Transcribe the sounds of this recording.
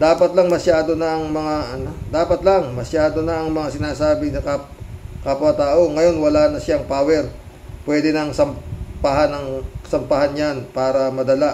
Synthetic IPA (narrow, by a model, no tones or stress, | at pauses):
d̪aːpɐt̪lɐŋmɐʃjaːd̪o̞nɐɐŋmɐŋaʔɐno̞d̪aːpɐt̪lɐŋmɐsjaːd̪o̞nɐʔɐŋmɐŋasɪnaːsaːbɪsɐkakaːpwɐt̪aːʔo̞ŋɐjo̞nwɐlaːnɐʃjaŋpaːwɛɾ | pwɛːd̪ɪnɐŋsɐmpaɦanɐŋsɐmpaɦanjanpaːɾɐmɐd̪ɐla